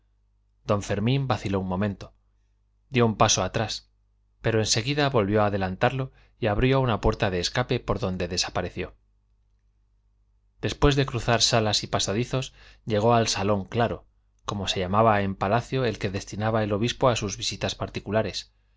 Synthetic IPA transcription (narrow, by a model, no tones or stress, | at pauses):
d̪̥õ̞ɱfe̞ɾmĩmbaθilounmõ̞mẽ̞nt̪o̞ | d̪jo̞umpasoat̪ɾas | pe̞ɾo̞e̞nse̞ɣ̞iðaβo̞lβjo̞aːðe̞lant̪aɾlo̞ | iaβɾjounapwe̞ɾt̪aðe̞ːskape̞po̞ɾðo̞nd̪e̞ðe̞sapaɾe̞θjo̞ | d̪̥e̞spwe̞zðe̞kɾuθaɾsalasipasaðiθo̞sʎe̞ɣ̞o̞alsalo̞ŋklaɾo̞ | ko̞mo̞se̞ʝamaβae̞mpalaθjo̞e̞lke̞ðe̞st̪inaβae̞lo̞βispo̞asuzβisit̪aspaɾt̪ikulaɾe̞s